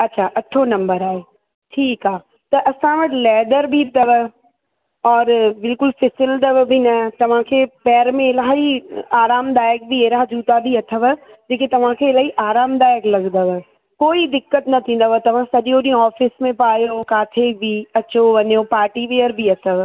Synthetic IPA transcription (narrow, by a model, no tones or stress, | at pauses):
ɐtːʃʰaʔɐʈʰonɐ̃mbəɾaːɦe | ʈʰiːkaː | t̪ɐʔɐsãʋɐʈɪlɛːd̪əɾbʱit̪əʋə | ɔːɾbɪlkʊlfɪsɪld̪əʋbʱinɐt̪ɐʋ̤ãkʰeːpɛːɾmẽɪlaːɦiaːɾaːmd̪aːjək̚bʱieːɾad͡ʒuːt̪abʱiɐt̪ʰəʋ | d͡ʑeːkit̪ɐʋ̤ãkʰeɪlaːɦiʔaːɾaːmd̪aːɪəklɐɡd̪əʋə | koːid̪ɪkːət̪nɐt̪ʰĩːn̆d̪əʋət̪ɐʋ̤ãsɐʄijoɗiːõɔːfɪsmẽpaːjokaːt̪ʰebʱiɐt͡ɕoʋɐɲjopaːɾʈiʋejəɾbʱiɐt̪ʰəʋ